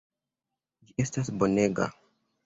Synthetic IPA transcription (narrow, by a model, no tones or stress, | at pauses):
d͡ʒie̞stas̬bo̞ne̞ɡa̰